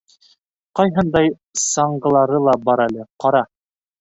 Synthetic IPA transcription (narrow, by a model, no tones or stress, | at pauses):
qɑjɦɤnd̪ɑj | sɑɴɢɤ̆lˠɑɾɤlˠɑbɑɾælɘqɑɾɑ